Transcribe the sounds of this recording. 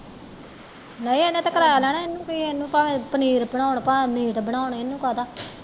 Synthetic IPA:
nəĩːenẽːt̪aːkəɾaːjaːlɛːnaːɪnːũːkoiːenːũːpaːʋẽːpəniːɾpəɳ̃aːoɳpaːmiːʈbəɳ̃aːʊɳɪnːũːkaːt̪aː

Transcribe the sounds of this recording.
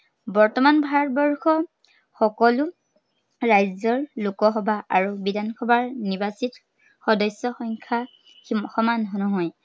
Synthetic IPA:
bɔɹtɔmanbʱaɹɔt̚bɔɹxɔ | xɔkɔlʊ | ɹajzɔɹlukɔɦɔbaʔaɹubidankʰɔbaɹnibasit | xɔdɔsjɔxɔŋkʰa | xɔmanɦɔnɔɦɔj

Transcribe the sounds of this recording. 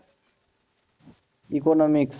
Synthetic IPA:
ikonomiks

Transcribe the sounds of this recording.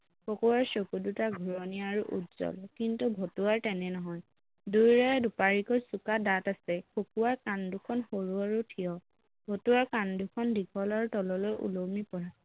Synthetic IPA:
kokuwaɹsokudutaɡʱuɹɔniaɹuʔṵtz̥ɔ̰lkintubʱɔtuwaɹtɛnɛnɔɦɔj | dujɹaɛdupaɹikɔɹsukadatasɛkʰokuwaɹkandukʰɔnxoɹuaɹutʰijɔ | bʱotuwaɹkandukʰɔndikʰɔlaɹutɔlɔlɔjʔṵlomipɔɹa

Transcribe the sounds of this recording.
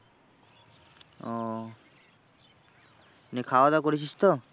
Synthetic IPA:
ɔ | nekʰaoad̪akoɾet͡ɕʰist̪o

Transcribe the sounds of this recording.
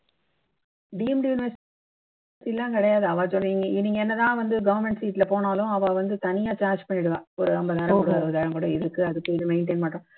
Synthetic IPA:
ɖiːɛmɖɪjʊnɪʋɐɾs | silːãːkɪɽɐjaːðɯɐʋaːsɔlːiːŋɡɐɪnːiːŋɡɐɛnːɐt̪ãːʋɐnd̪ɯɡɐʋɐɾmɛɳʈsiːʈlɐpoːnaːlʊ̃ɐʋãʋɐnd̪ɯt̪ɐnɪjaːt͡ʃaːɾd͡ʒpɐɳːɪɽɯʋãːɔɾɯɐmbɐðaːɾɐkɔɽɯʋaðɐʋɐðaːɻɐmkɔɽɯ̃ɪðɯkːɯɐðɯkːɯɪðɯmɛɪɳʈeːnmaːʈːʊ̃

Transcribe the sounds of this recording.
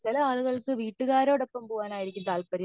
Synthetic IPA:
sɪlɐaːɭɯɣɐɭɯkːɯʋiːʈːɯɣaːɾoːɽɐpːɐmpoːʋaːnaːjɪɾɪkʲːɯmt̪aːlpɐɾi

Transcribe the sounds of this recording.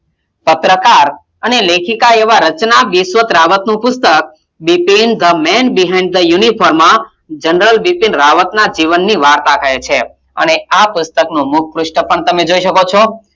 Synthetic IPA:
pət̪ɾəkaɾ | ənelekʰikaeʋaɾət͡ʃnaʋiʃʋət̪ɾaʋət̪nũpʊst̪ək̚ | bipind̪əmɛnbiɦãɪ̃ɳɖ̚d̪əjunipʰɔɾmã | d͡ʒənɾəlbipinɾaʋət̪nad͡ʒiʋənːiʋaɾt̪akʰəjet͡ʃʰe | ə̰neapʊst̪əknũmʊk̚ʰpɾʊʃʈəpəɳt̪əmed͡ʒoiʃəkot͡ʃʰɔ

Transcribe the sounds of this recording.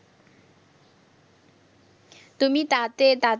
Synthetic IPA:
t̪umit̪at̪et̪at

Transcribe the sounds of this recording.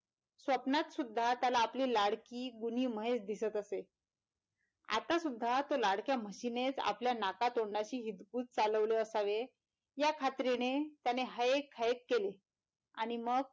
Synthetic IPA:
sʋəpnat̪sud̪ʱːat̪jalaːpliːlaɽkiːɡuniːməɦet͡sd̪isət̪əse | a̰t̪asud̪ʱːat̪olaɽkjaməɕinet͡sa̰pljanakat̪oɽɳaɕiːɦit̪kuːt͡s̚t͡saləʋleəsaʋe | jakʰat̪ɾinet̪janeɦaekʰːaekːele | aɽ̃iməɡ̚

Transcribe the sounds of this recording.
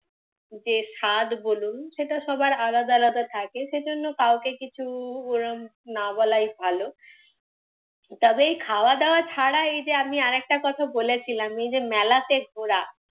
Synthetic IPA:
d͡ʑeʃad̪bolunʃeʈaʃɔbaɾalad̪alad̪at̪ʰakeʃed͡ʑonːokawkekit͡ɕʰuoɾomnabɔlajbʱalo | t̪ɔbeejkʰaoad̪eoat͡ɕʰaɽaejd͡ʑeamiaɾɛk̚ʈakɔt̪ʰabolet͡ɕʰilamejd͡ʑemɛlat̪eoɾa

